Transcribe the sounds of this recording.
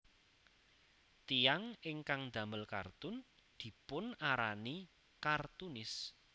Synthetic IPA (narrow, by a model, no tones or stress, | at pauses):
t̪ijaŋɪŋkaŋnd̪ä̤məlka̰rt̪ʊn | d̪̥i̤pʊnaɾani | kart̪unɪs